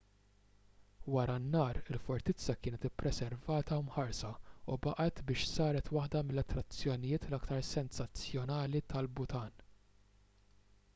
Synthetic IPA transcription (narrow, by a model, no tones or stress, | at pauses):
wɐɾɐnːɐːɾɪlfɔɾt̪ɪt͡sːɐkɪːnɛt̪ɪpːɾɛsɛɾvɐːt̪ɐmħɐɾsɐubɐʔɐt̪bɪːʃsɐːɾɛt̪wɐħd̪ɐmɪlːɐt̪ːɾɐt͡sːjɔnɪjɪːt̪lɐkt̪ɐɾsɛnsɐt͡sːjɔnɐːlit̪ɐlbʊt̪ɐːn